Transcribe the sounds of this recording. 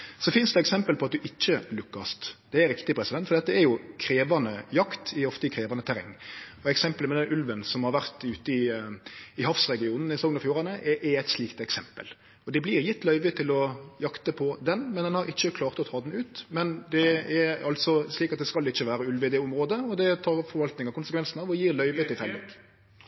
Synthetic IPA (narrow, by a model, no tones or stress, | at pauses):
sɔfɪnsd̪ɛɛksɛmpəlpʰɔɑt̪̚d̪ʉʔɪt͡ʃːəlʉkːɑst̪d̪̥ɛæɾɪkt̪ɪpʰɾɛsɪd̪ɛnt̪fɔd̪ɛt̪ːəɛjʊkʰɾeːʋɑnəjɑkt̪ɪɔft̪əɪkʰɾeːʋɑnət̪ʰæɾɛŋːɔɛksɛmpəlmɛd̪ɛnʔʉlʋənsɔmhɑɾʋæʁt̪ʉːt̪əɪ | ɪhɑfsɾɛɡɪuːnn̩ɪsɔŋənɑfjuːʁɑnəʔɛʔɛɛɪt̪sliːkt̪ɛksɛmpə̰l | ɔd̪ɛblɪːʁjɪt̪ːlœʏʋət̪ʰɪlɔjɑkt̪əpʰɔd̪ɛnmɛnd̪ɛnhɑɾɪçːəkʰlɑːʁt̪ɔt̪ʰɑːd̪n̩ʉːt̪mɛnd̪ɛɛɑlt̪sɔsliːkɑt̪̚d̪ɛskɑlɪçːəʋæːɾəʉlʋɪd̪ɛʊmʁoːd̪əɔd̪ɛt̪ʰɑːɾfɔɾʋɑlt̪nɪŋɑkʊnsəkʋɛnsn̩ɑːʋɔjiːɾlœʏʋət̪ʰɪfɛlːɔk